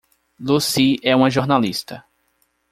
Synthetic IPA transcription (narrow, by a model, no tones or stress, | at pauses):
lusiɛũmɐʒoɾnalist̪ɐ